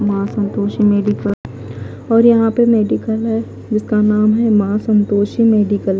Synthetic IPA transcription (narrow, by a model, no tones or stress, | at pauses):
mãːsɐ̃nt̪oːʃimeːɖɪkəl | ɔːɾjɐɦãpemeːɖɪkəlɦɛ | d͡ʒɪskanaːmɦɛmãːsɐ̃nt̪oːʃimeːɖɪkəl